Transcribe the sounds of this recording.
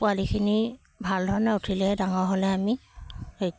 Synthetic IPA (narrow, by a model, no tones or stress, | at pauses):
pʊalikʰini | bʱaldʱɔɹnɛutʰilɛdaŋɔɹɦolɛamiej